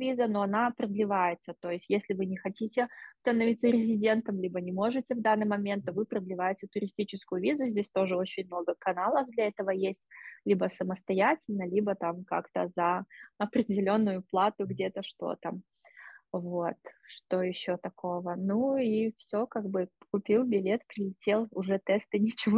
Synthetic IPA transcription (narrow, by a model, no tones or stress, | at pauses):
vʲizəno̞ɐnapɾəd̪lʲɪvajɪt̪sət̪o̞jɪsʲtʲjesʲlʲɪvɨnʲɪxɐtʲitʲɪst̪ənɐvʲit̪sːəɾʲɪzʲɪdʲe̞nt̪əmlʲibənʲɪmo̞ʐɨtʲɪvd̪anːɨjmɐmʲe̞nt̪ːovɨpɾəd̪lʲɪvajɪtʲɪt̪ʊɾʲɪsʲtʲit͡ɕɪskʊjʊvʲizʊzʲdʲesʲt̪o̞ʐɨo̞t͡ɕɪnʲmno̞ɡəkɐnalˠəvd̪lʲɐɛt̪əvəjesʲtʲlʲibəsəməst̪ɐjætʲɪlʲnəlʲibət̪amka̰kt̪əzəɐpɾʲɪdʲɪlʲo̞nːʊjʊplˠat̪ʊɡdʲe̞t̪əʂt̪o̞̰t̪ə̰ | vo̞t̪ʂt̪o̞jɪɕːot̪ɐko̞vənuifsʲo̞kaɡbɨkʊpʲilˠbʲɪlʲe̞t̪pɾʲɪlʲɪtʲe̞lˠʊʐɛt̪ɛst̪ɨnʲɪt͡ɕɪvo